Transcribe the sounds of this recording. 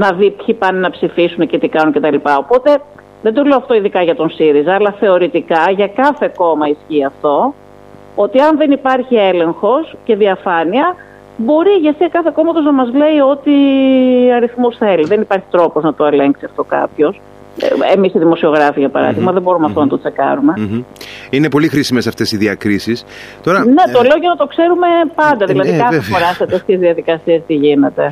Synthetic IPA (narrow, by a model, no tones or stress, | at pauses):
nɐðipçipɐninɐpsifisunecet̪ikɐnuncet̪ɐlipɐo̞po̞t̪e̞ | ðend̪o̞le̞oɐft̪o̞iðikɐʝɐt̪o̞nsiɾizɐːlɐθe̞o̞ɾit̪ikɐʝɐkɐθe̞ko̞mɐisçiɐft̪o̞ | o̞t̪iɐnðe̞nipɐɾçie̞le̞ŋxo̞sce̞ðiɐfɐniɐ | bo̞ɾiʝɐsiɐkɐθe̞ko̞mɐt̪o̞znɐmɐzle̞io̞t̪i | ɐɾiθmosθe̞liðenipɐɾçi̥t̪ɾo̞po̞znɐt̪o̞e̞leŋksiɐft̪o̞kɐ̰pço̞s | ḛmisiðimo̞sio̞ɣɾɐfiʝɐpɐɾɐ̰ðiɣmɐðebo̞ɾumeɐft̪onɐt̪o̞t͡se̞kɐ̰ɾume̞ | inepo̞lixɾisimesɐft̪e̞siðiɐkɾisis | t̪o̞ɾɐne̞t̪o̞leo̞oʝonɐt̪o̞kse̞ɾume̞pɐnd̪ɐðilɐðikɐefo̞ɾɐset̪est̪çezðiɐðikɐsiest̪iʝine̞t̪e̞